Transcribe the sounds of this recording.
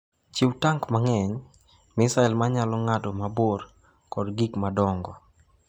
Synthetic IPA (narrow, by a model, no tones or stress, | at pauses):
t͡ʃɪwtaŋkmaŋɛɲ | mɪsaɛlmaɲalɔŋatɔmabor | kɔdɡikmadɔŋɡɔ